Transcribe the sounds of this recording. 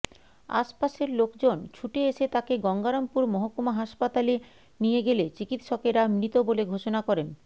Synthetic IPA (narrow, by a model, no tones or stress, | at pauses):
a̰ʃpaʃeɾlokd͡ʑont͡ɕʰuʈeeʃet̪akeɡɔŋɡaɾompuɾmɔɦokːomaɦaʃpat̪ale | nijeɡelet͡ɕikit̪ʃɔkeɾamnit̪oboleɡʱoʃonakɔɾen